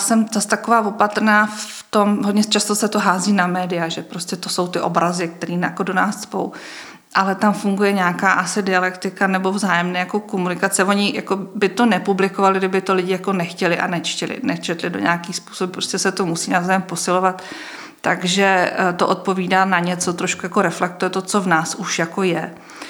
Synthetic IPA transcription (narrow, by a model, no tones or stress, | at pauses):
sɛmzast̪akovaːvo̞pat̪ɾnaːf | t̪o̞mɦodɲɛt͡ʃast̪osɛt̪oɦaːziːnamɛːdɪjaʒɛpɾo̞scɛt̪oso̞wt̪ɪʔo̞̰bɾazɪk̚t̪ɛɾiːnjakodo̞naːsspo̞̰w | ʔalɛt̪amfuŋɡujɛɲaːkaːʔasɪdɪalɛkt̪ɪkanɛbo̞vzaːjɛmnɛːjako̞komunɪkat͡sɛvo̞ɲɪja̰kobɪt̪o̞nɛpublɪkovalɪɡdɪbɪt̪olɪɟɪjako̞nɛxcɛlɪʔa̰nɛt͡ʃcɛlɪ̰nɛt͡ʃɛt̪lɪdo̰ɲaːkixspu̥ːsobɪpɾoscɛsɛt̪omusiːnazaːjɛmpo̞sɪlovat̪ː | aɡʒɛt̪oʔot̪̚po̞viːdaːnaɲɛt͡so̞t̪ɾo̞ʃkujakoɾɛflɛk̚t̪ujɛt̪o̞t͡so̞vnaːsuʃjako̞jɛ